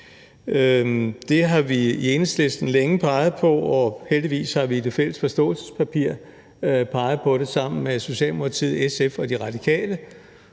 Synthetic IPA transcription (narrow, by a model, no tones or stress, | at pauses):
ød̥e̝ɦɑ̈ʋiienəsle̝sd̥n̩leŋəpʰɑ̈ɪð̞̩ˠpʰɒ̽ɒheld̥iʋḭːshɑ̈ʋiːd̥e̝fel̰əsfɒ̽sd̥ɔ̰̽ːl̩sə̥spʰæpʰiɐ̰ | pʰɑ̈ɪð̞̩ˠpʰɒ̽ɾ̥e̝sɑ̈m̰n̩meso̝ɕɛ̰ːlmokʰɑ̈t͡sʰið̞̩ˠesefɒ̽d̥iʁɑ̈d̥ikʰɛ̰ːlə